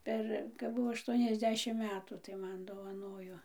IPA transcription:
ˈpʲɛr kɐp ˈbʊʋoː ɐˈʃtuɔnʲɛzʲˌdʲæːʃʲɪm ˈmʲæːtuː tɐɪ ˈmɐn doːʋɐˈnoːjoː

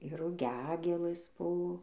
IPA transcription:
ɪr rʊˈɡʲæːɡʲeːlˠɘs ˈbʊ

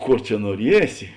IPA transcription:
ˈkoːr t͡ʃʲɛ nuɔˈrʲiɛsʲɪ

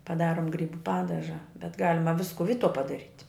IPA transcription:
pɐˈdɑːroːm ˈɡrʲiːbʊ ˈpɑːdɐʒɐ bʲɛt ˈɡɑːlʲɪmɐ ˈʋʲɪskʊ ˈʋʲiːtuɔ pɐdɐˈrʲiːtʲ

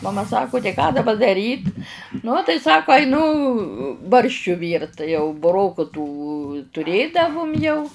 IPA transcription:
mɐˈmɐ ˈsɑːkʊ tɐɪ kɑː dɐˈbɐ dɐˈrʲiːt nʊ tɐɪ ˈsɑːkoː ɐɪˈnʊ ˈbɐrʲʃʲt͡ʃʲʊ ˈʋʲiːrt tɐɪ jɛʊ bʊˈroːkʊ tuː tʊˈrʲeːdɐʋʊm jɛʊ

